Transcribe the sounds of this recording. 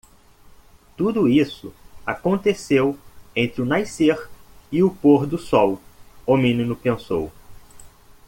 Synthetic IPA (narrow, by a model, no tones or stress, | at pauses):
t̪ud̪ʊisʊ̰akõnt̪esewẽnt̪ɾɪʊnajseɾɪʊpoɾd̪ʊsɔwomĩnĩnʊpẽso̰w